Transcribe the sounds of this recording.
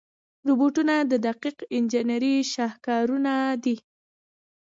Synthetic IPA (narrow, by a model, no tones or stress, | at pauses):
ɾuboʈunad̪əd̪aqiqɪnd͡ʒɪnaɾiʃɑhkɑɾunad̪i